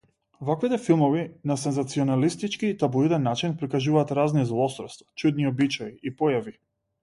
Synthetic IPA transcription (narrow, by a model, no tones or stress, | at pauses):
vakvit̪ɛfilˠmɔvinasɛnzat̪siɔnalist̪it͡ʃkiːt̪abuid̪ɛnːat͡ʃinpɾikaʒuvaːt̪ɾaznizlˠɔst̪ɾɔst̪vḁt͡ʃud̪niɔbit͡ʃaiʔipɔjavi